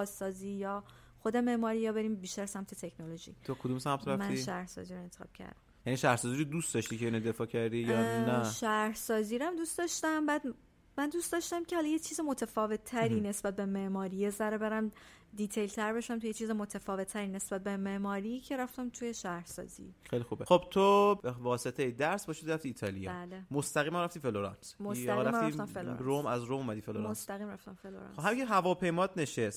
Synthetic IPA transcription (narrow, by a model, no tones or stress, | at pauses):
sɒːziːjɒː | xod̪eme̞ʔmɒːɾijɒːbe̞ɾiːmbiːʃt̪æɾsæmt̪ʰe̞t̪ʰe̞kʰnoloʒḭːt̪ʰokʰod̪umsæmt̪ʰɾæmæniʃæɾhsɒ̰ːziːɾoent̪e̥xɒ̰b̥̚cʰæ̰ɾd̪̥æ̰mjæniʃæhɾsɒːziɾod̪usd̪ɒʃt̪icʰeinod̪e̞fɒːcʰæɾd̪ijɒnæʃæhsɒːziːɾæmd̪uːstd̪ɒʃt̪æmbæːd̪ | mænd̪ust̪d̪ɒʃt̪æmcʰehɒlɒjet͡ʃʰiːzemot̪ʰæfɒːve̞t̪ʰːæɾiːne̞sbæt̪̚be̞meʔmɒːɾijezæɾebe̞ɾæm | d̪it̪ʰejlt̪ʰæɾbe̞ʃæmt̪ʰujet͡ʃʰiːzemot̪ʰæfɒːve̞t̪ʰːæɾiːne̞sbæt̪̚be̞meʔmɒːɾicʰe̞ɾæft̪æmt̪ʰuje̞ʃæhɾsɒ̰ːzḭxejlixubexob̥t̪ʰovɒːse̞t̪ʰejed̪æɾsbɒːʃid̪iɾæft̪iːt̪ʰɒːlijɒ̰bæːlemost̪æɣiːmæmɾæft̪iːfeloɾɑ̰ːnsmosæiɾæmɾæifæmfelo̰ɾomæzɾomomæd̪iːfeloɾost̪æɣiːmɾæft̪æmfeloɾɑ̰nhæmikʰeɦævɒːpʰe̞jmɒːt̪ne̞ʃest̪